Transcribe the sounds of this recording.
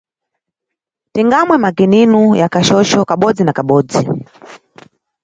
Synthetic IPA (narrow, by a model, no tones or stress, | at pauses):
tiŋɡamwɛmaɡininujakaʃɔʃɔkaɓɔd͡zinakaɓɔːd͡zi